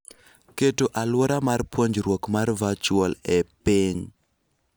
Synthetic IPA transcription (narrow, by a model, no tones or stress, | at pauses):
ketoʔalwɔɾamarpwoɲd͡ʒɾwokmarvat͡ʃwɔlɛpiŋ